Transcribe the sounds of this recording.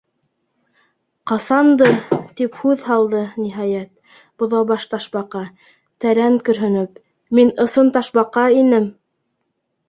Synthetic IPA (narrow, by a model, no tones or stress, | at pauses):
qɑsɑnd̪ɤt̪iphʉðɦɑlˠd̪ɤniɦɑjæt̪̚ | b̥ŏðɑbɑʃt̪ɑʃbɑqɑ | t̪æɾæŋkɵ̆ɾɦɵ̆nɵp | minɤ̆sɤnt̪ɑʃbɑqɑinɘm